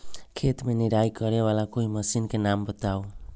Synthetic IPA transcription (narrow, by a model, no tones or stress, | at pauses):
kʰet̪meniɾajkɔɾewalakojməsinkenambɔt̪aw